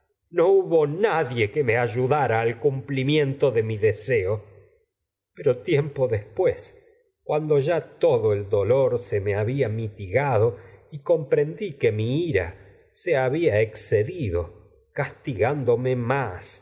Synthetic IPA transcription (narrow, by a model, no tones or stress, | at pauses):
nouβo̞naðjekemeaʒuðaɾaːlkumplimje̞nt̪oðe̞miðeseo | peɾot̪jempoðespwes | kwand̪o̞ʒat̪oðoeld̪o̞loɾse̞meaβiamit̪iɣaðo̞iko̞mpɾe̞nd̪ikemiiɾa̰ | seaβiaekseðiðo | kast̪iɣand̪o̞memas